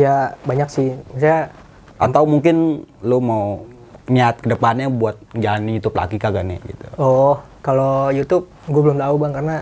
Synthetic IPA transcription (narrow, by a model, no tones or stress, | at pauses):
jabaɲaksɪhmis̬aja | ʔa̰t̪awmuŋkɪnlumau | ɲiaat̪̚kədəpanɲabuat̪̚d͡ʒalanjut̪ʊp̚la̰ɡikaɡanɪ̰ɡḭt̪uɔh | kalojut̪ʊp̚ɡuabəlʊmt̪aubaŋkarəna